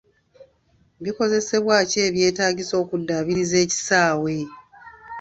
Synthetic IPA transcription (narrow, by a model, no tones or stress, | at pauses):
βiko̞ze̞se̞βwaːce̞ːβje̞ːtaːɟiso̞ːkudːaβiɾize̞ːci̥saːwe̞